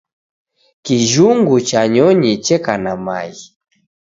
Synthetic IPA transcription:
kiʒuŋɡut͡ʃaɲɔɲit͡ʃɛkanama̰i

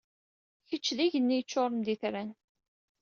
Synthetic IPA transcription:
çət͡ʃːðiʝənːijət͡ʃːʊɾˤənd̪iθɾæn

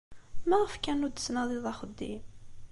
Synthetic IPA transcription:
mæʁəfkænud̪əsnæðˤiðˤɑχəd̪ːim

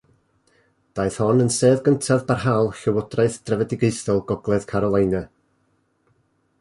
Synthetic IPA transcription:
d̥aɨθhɔnənseːðɡəntʰavbarɦalˠɬəwɔdraɨθd̥rɛvɛdɪɡeɨsɔlˠɡɔɡlˠɛð̥kʰaɾɔlˠajnɛ

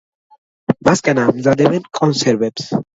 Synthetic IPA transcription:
maskʼanamzad̪ɛbɛnkʼɔnsɛɾvɛbs

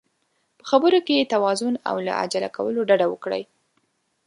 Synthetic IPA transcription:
pə̥xabəɾokejet̪awɑzʊna̰wla̰a̰d͡ʒalakawəloɖaɖawəkɽə̰j

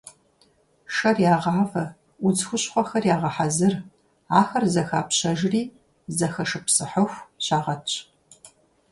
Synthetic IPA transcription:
ʃɐrjaːʁɑːvɐ | ʊd͡zxʷʊɕχʷɔxɐrjaːʁɐħazɨr | aːxɐrzɐxaːpɕɐʒriː | zɐxɐʂɨpsɨħəxʷɕaːʁɐ

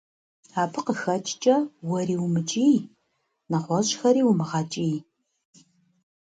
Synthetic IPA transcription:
aːpʰɨqəxɐt͡ʃʼt͡ʃʼɐwɐriːwumɨt͡ʃʼij | nɐχʷɔɕxɐɾiːwmɨʁɑt͡ʃʼij

